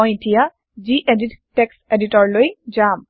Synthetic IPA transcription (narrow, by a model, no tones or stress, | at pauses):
ɔjetija | ziʔedittekseditɔɹlojzam